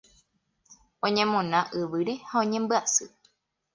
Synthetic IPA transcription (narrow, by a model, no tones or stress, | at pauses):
õ̞ɲẽmõnãʔɨʋɨɾe̞haõ̞ɲẽmbɨasɨ